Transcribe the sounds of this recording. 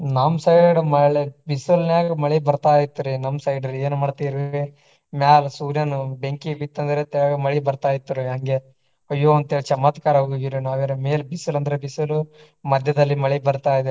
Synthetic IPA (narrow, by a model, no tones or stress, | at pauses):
namsɐjɖɐɽɐmɐɭebisɐlnaːɡɐmɐɭibɐɾt̪aːjit̪ːɾinɐmsɐjɖɐɾeːnmaːɖt̪iːɾe | mjaːlsuːɾjɐnubeŋkibit̪ːɐnd̪ɐɾet̪ɛɡɐmɐɭibɐɾt̪aːjit̪ːɐɾujaːŋɡe̞ | ɐjːoːɐnt̪eɭit͡ʃɐmaːt̪kaːɾɐɦoːɡoɡiɾinaːʋeɾɐmeːlbisulɐnd̪ɐɾebisɐlu | mɐd̪ʱjɐd̪ɐlːimɐɭibɐɾt̪aːjid̪e